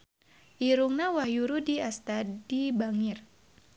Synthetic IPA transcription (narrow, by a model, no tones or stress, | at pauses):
ʔiɾuŋnawahjuɾudiast̪adibaŋir